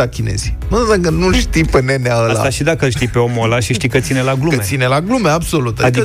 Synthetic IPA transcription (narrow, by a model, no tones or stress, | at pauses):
akʲinḛz̥inusakənulʃt̪ijpeneneaəlsa̰aʃid̪akəəlʃt̪ijpeomolaʃiʃt̪ijkət̪sinelaɡlusinelaɡlumeabso̞lut̪a